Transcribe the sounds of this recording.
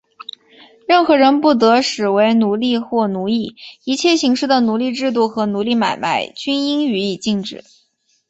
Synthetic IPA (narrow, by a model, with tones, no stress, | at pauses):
ɻə˥˩nxɤ˧˥ɻə˧˥npu˥˩t̪̬ɤ˧˥ʂɻ̩˨˩we˧˥ɪnu˧˥li˥˧xwɔ˥˩nu˧˥li˥˩i˧˥t͡ɕʰjɛ˥˩ɕi˧˥ŋʂɻ̩˥˩d̪ə˩nu˧˥li˥˧ʈ͡ʂɻ̩˥˧t̪̬u˥˩xɤ˧˥nu˧˥li˥˩ma̰˨˩ɪma˧˥ɪt͡ɕy˥ni˥ŋy˧˥i˨˩t͡ɕi˥˩ŋʈ͡ʂɻ̩˨˩˦